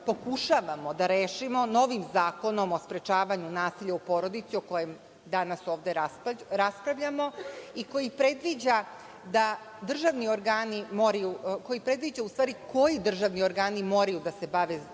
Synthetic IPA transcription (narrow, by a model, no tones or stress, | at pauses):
po̞kuʃaʋamo̞d̪aɾeːʃimo̞no̞ʋimzaːko̞no̞mo̞spɾe̞t͡ʃaːʋaɲunaːsiʎaupo̞ɾo̞d̪it̪sioko̞jem | d̪anaso̞ːʋd̪e̞ɾaɾaspɾaʋʎamo̞iko̞jipɾe̞d̪ʋid͡ʑa | d̪a | d̪r̩ʒaʋnio̞ɾɡaːnimo̞ɾajuko̞jipɾe̞d̪ʋid͡ʑaust̪ʋaːɾiko̞jid̪r̩ʒaʋnio̞ɾɡaːnimo̞ɾajud̪ase̞baʋe